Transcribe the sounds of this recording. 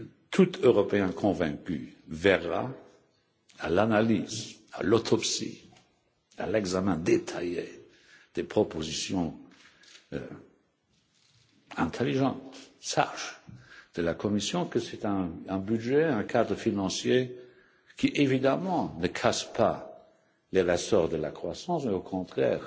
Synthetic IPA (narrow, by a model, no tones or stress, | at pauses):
t̪ʰut̪øʁɔpeɛ̃kʰɔ̃vɛ̰̃ky̰vɛʁa̰ | alanaliːza̰lot̪ʰɔpsḭ | a̰lɛɡzamɛ̃d̪et̪ʰa̰jḛ | d̪̥epχɔpozisjɔ̃ | ɛ̃t̪ʰeliʒɑ̃t̪sa̰ʃd̪̥əlakʰɔmisjɔ̃kəsɛt̪ɛ̃ːbyʒeɛ̃kʰad̪ʁəfinɑ̃sje | kʰiʔevid̪amɑ̃nəkʰaspʰa | leʁəsɔʁd̪əla̰kχwasɑ̃smeokʰɔ̃t̪χɛ̰ːʁ